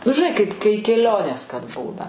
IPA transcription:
nʊ ʒʲɪˈnɐɪ kɐɪp ˈkɐɪ kʲɛˈlʲoːnʲeːs kɐt ˈbuːnɐ

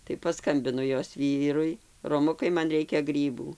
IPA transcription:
tɐɪ pɐˈskɐmʲbʲɪnʊ ˈjoːs ˈʋʲiːrʊɪ roːˈmʊkɐɪ ˈmɐn ˈrʲɛɪkʲɛ ˈɡrʲiːbuː

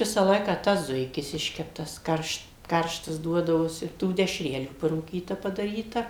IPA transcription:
ˈʋʲɪsɐ ˈlˠɐɪkɑː ˈtɐs ˈzʊɪkʲɪs ˈɪʃʲkʲɛptɐs ˈkɐrʃt ˈkɐrʃtɐs ˈduɔdɐʋoːsʲɪ tuː dʲɛʃʲˈrʲæːlʲuː pɐruːˈkʲiːtɐ pɐdɐˈrʲiːtɐ

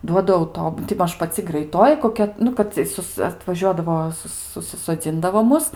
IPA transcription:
ˈduɔdɐ ɐʊˈtoːp tʲɪ ˈmɐʃ pɐˈt͡sʲɪ ɡrɐɪˈtoːjɪ koːˈkʲɛ ˈnʊ kɐt t͡sʲiɛ ˈsʊs ɐtʋɐˈʒʲuɔdɐʋoː ˈsʊs sʊsʲɪsoːˈd͡zʲɪndɐʋoː ˈmʊs

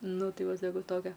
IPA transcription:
ˈnʊ ˈtɐɪ ˈʋɐ sɐˈkɐʊ ˈtoːkʲɛ

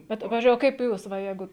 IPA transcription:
ˈbʲɛt ˈpɑːʋʲɪzʲd͡ʒʲʊɪ oː ˈkɐɪp ˈjuːs ʋɐ ˈjɛɪɡʊ

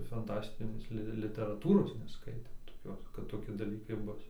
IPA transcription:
fɐnˈtɑːsʲtʲɪnʲeːs ˈlʲɪ lʲɪtʲɛrɐˈtuːroːs nʲɛˈskɐɪtʲeːm toːˈkʲoːs kɐt toːˈkʲɪ dɐˈlʲiːkɐɪ ˈbʊs

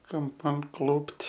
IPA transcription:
kɐmˈpɐn ˈklˠʊpt

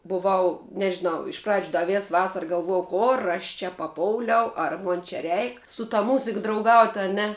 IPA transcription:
bʊˈʋɐʊ nʲɛʒʲɪˈnɐʊ ɪʃ prɐt͡ʃʲ ˈdɐ ˈʋʲeːs ˈʋɑːsɐrɐ ɡɐlˠˈʋuɔjɛʊ ˈkoːr ɐʃ t͡ʃʲɛ pɐˈpoːʊlʲɛʊ ɐr ˈmoːn t͡ʃʲɛ ˈrʲɛɪk sʊ tɐ mʊzʲɪk drɐʊˈɡɐʊtʲ ɐ ˈnʲɛ

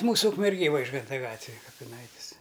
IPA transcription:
ˈmuːsʊ ʊkmʲɛrʲˈɡʲeːj ˈʋɐɪʒɡɐntɐ ˈɡɑːtʲʋʲɪj kɐpʲɪˈnɐɪtʲɪs

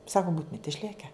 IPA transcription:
ˈsɑːkʊ ˈbuːtʊmʲɪt ɪʃʲˈlʲeːkʲɛ

